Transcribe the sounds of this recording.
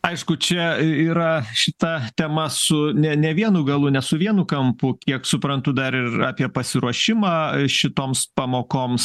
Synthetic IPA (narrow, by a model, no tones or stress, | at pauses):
ɐɪʃkʊt͡ʃʲɛiːɾɐʃʲɪt̪ɐt̪ʲɛmɐsʊnʲɛnʲɛʋʲiɛnʊɡɐlˠʊnʲɛsʊʋʲiɛnʊkɐmpʊkʲiɛksʊpɾɐnt̪ʊd̪ɐɾɪrɑːpʲiɛpɐsʲɪɾuɔʃʲɪmɑːʃʲɪt̪oːmspɑmoːkoːms